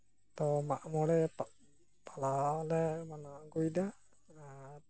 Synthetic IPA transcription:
t̪ɔmaʔmɔɽɛp | pʰalalɛmanaʔɡujd̪a

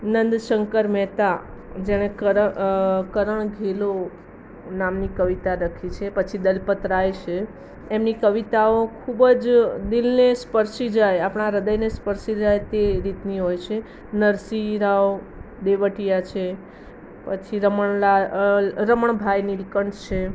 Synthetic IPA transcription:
nənd̪ʃəŋkəɾmɛt̪ad͡ʒeɽ̃ekəəkəɾəɳɡʱelo | namnikəʋit̪aɾəkʰit͡ʃʰepət͡ʃʰid̪əlpət̪ɾajt͡ʃʰe | emnikəʋit̪aokʰubd͡ʒd̪ilnespəɾsid͡ʒajapɳ̃aɾəd̪əjnespəɾsid͡ʒajt̪eɾit̪niɦojt͡ʃʰe | nəɾsiɾaʋ | d̪eʋəʈijat͡ʃʰe | pət͡ʃʰiɾəməɳlaɾəməɳbʱajnilkəɳʈt͡ʃʰe

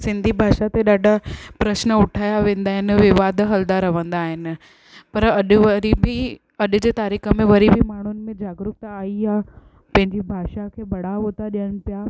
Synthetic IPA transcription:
sɪ̃nd̪ʱibʱaːʃat̪eɗaːɖʱapɾɐʃnəʊʈʰaːjaʋẽːnd̪aːɦɪnɪ̆ʋɪʋaːd̪ʱɦɐld̪aɾɐʋə̃nd̪aːɦɪnɪ̆ | pɐɾɐɗɾibi | ɐɗʊd͡ʑeːt̪aːɾiːxəmẽʋɐɾibʱimaːɳ̤ʊnɪ̆mẽd͡ʑaːɡɾʊk̚t̪aːija | pɐ̃ɦɪ̃ɲd͡ʑibʱaːʃakʰeːbɐɽ̤aɦoːt̪aɗijəɽ̃ɪ̆pija

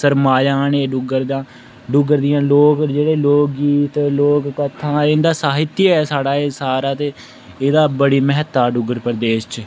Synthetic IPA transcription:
səɾmaːjãːneːɖʊɡəɾd̪ãː | ɖʊɡəɾd̪ɪjãːloːkd͡ʒeːɽeːloːk̚ɡiːt̪loːkkət̪ʰːãːɪnd̪aːsaːɦɪt̪jiɛːsaːɽaːeːsaːɾaːt̪eː | eːd̪aːbəɽiːmɛɦət̪ːaːɖʊɡəɾpəɾd̪eːst͡ʃ

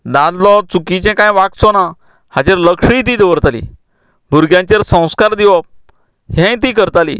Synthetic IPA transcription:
d̪ãd͡z̪lɔt͡sukit͡ɕɛ̃kãjʋak̚t͡sɔna | hat͡ɕeɾləkʂɽĩt̪id̪əʋəɾt̪alḭ | bʱuɾɡjãɲt͡ɕeɾsə̃w̃skaɾd̪iʋəp̚ | ɦɛ̃jt̪̬ikəɾt̪alḭ

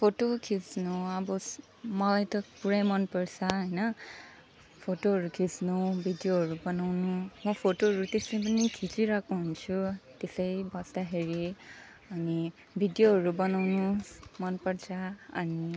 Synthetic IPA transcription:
pʰotokʰisnuabɔ | mɔlajtɔpuɹajmʌnpɔɹsaɦʌjnʌ | pʰotoɦʌɹukʰisnubʱidijoɦʌɹubʌnawnumɔpʰotoɦʌɹut̪esʌjpanikʰit͡ʃiɹakuɦunt͡ʃʰut̪esʌjbʌst̪aɦeɹi | ʌni | bʱidjoɦʌɹubʌnawnumʌnpɔɹsʰa̰ːni

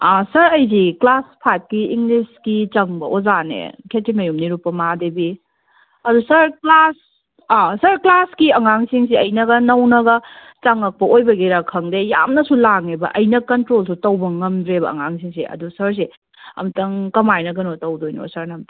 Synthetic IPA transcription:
asɐɾɐjziklaspʰajp̚kiiŋɡliskit͡ʃɐŋbɐʔozanḛkʰetimɐjumniɾupːɐmadebi | ɐdusɐɾklas | asɐɾklaskiɐŋaŋsiŋsiɐjnɐɡɐnɐwnɐɡɐ | t͡ʃɐŋɐk̚pɐojbɐɡiɾɐkʰːɐŋdeja̰mnɐsulaŋebɐ̰ʔɐjnɐkɐntɾolsutɐwbɐŋɐmdɾebɐ̰ɐ̰ŋaŋsiŋseɐ̰dusɐɾs̬e | ɐ̰mtɐŋkɐmajnɐɡɐnotɐwdojno̰sɐɾnɐmt

